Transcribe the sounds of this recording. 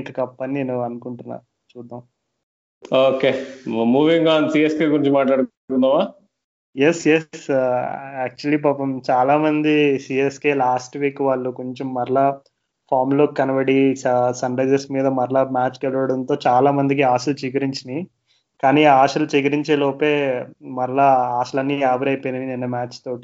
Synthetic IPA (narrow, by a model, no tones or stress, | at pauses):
ŋkɐkɐpːɐninenuʋɐnukuɳʈunːa̰ː | t͡ʃuːd̪ːaːm | oːkeːmuːʋiŋɡaːnsiːeskeːkuɾiɲt͡ʃumːaːʈlaːɽ | kund̪aːmaː | jesjes | aːk̚t͡ʃuɐliːbaːpɐmt͡ʃaːlaːmɐnd̪isiːeskeːlaːsʈʋiːkːʋaːɭːukoɲt͡ʃemːɐɾlaː | pʰaːɾmloːkːɐnɐʋɐɽiɐsɐɳɖɐd͡ʒesmiːd̪ɐmɐɾlamaːt͡ʃkɛlɐʋɐɽɐnt̪o̞ːt͡ʃaːlaːmɐnd̪ik̬iaːʃɐlt͡ʃiɡɐɾiɲt͡ʃini | kaːniːaːʂɐlut͡ʃiɡɐɾiɲt͡ʃeːloːpeːmɐɾlaaːʃɐlɐnːiaːbɐɾɐjpenɐʋininːɐmaːt͡ʃt̪o̞ːʈi̥